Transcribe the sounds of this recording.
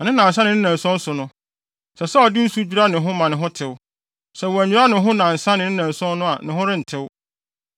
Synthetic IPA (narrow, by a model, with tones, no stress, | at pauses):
ɔ˨nɪ̃˦nã˨n˨sã˦nɪ̃˨˦nɪ̃˦nã˨sɔ̃˦n̩˦sʊ˨nʊ̃˦ | sɛ˨sɛ˦ɔ˨dɪ˦n̩˦su˦d͡ʑᶣu˦ɾa˦nɪ̃˨ɦʊ̃˦mã˨nɪ̃˨ɦʊ̃˦tʰɪ˨w | sɛ˨wɔ˨æ˨ɲᶣũ˨˦ɾa˦nɪ̃˨˦ɦʊ̃˦nã˨n̩˨sã˦nɪ̃˨nɪ̃˦nã˨n˨sɔ̃˦n˦nʊ̃˦a˨nɪ̃˨ɦʊ̃˦ɾɪ˦n̩˨tʰɪ˦w